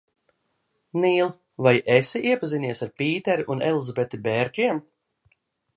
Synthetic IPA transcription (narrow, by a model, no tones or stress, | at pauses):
niːlˠ | vajesiʔiɛpazinʲiɛsaɾpiːt̪ɛɾiʔunɛlˠzabet̪ibeːɾʲt̪ʲiɛm